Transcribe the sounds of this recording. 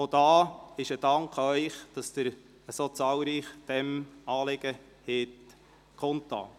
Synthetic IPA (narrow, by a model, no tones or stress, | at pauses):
od̥ɑːɪʃəd̥ɑŋkʰœʏχd̥ɑsd̥̪əɾ | əsot͡sɑːlɾiːχd̥ɛmɑːlɪɡ̥ə | hɪt | kʰɔnt̪ːɑ̰ː